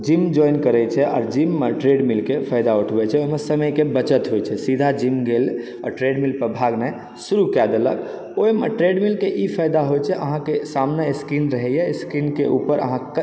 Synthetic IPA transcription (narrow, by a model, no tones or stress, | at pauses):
d͡ʒimd͡ʒɔjnkəɾɛt͡ʃʰɛʔɔ̰ːɾd͡ʒimːeʈɾeɖmilkepʰajd̪auʈʰbɛt͡ʃʰɛoimesəməjkebət͡ʃət̪ɦojt͡ʃʰɛsid̪ʱad͡ʒimɡel | ɔ̰ʈɾeɖmilpəbʱaɡnɛj | suɾukɛd̪elə̰k | ojmeʈɾeɖmilkeʔipʰajd̪aɦojt͡ʃʰɛʔəɦãkesamneskinɾəɦɛjɛskinkeʔṵpəɾə̰ɦã